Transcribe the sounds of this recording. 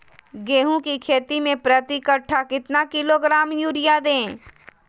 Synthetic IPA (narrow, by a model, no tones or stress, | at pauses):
ɡeːɦũkikʰeːt̪imẽpɾət̪ikəʈʰːakɪt̪nakɪloɡɾaːmjuːɾɪjad̪ẽː